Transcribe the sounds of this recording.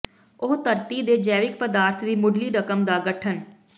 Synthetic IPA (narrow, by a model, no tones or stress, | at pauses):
ʊɦt̪əɾt̪iːd̪eːd͡ʒɛːʋɪkpəd̪aːɾt̪ʰd̪iːmʊɖliːɾəkəmd̪aːɡəʈʰən